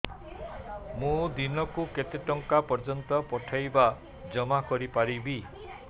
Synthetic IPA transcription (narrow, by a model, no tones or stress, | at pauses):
mũd̪inɔkuket̪eʈɔŋkapɔɾd͡ʒɔnt̪ɔpɔʈʰajba | d͡ʒɔmakɔɾipaɾibi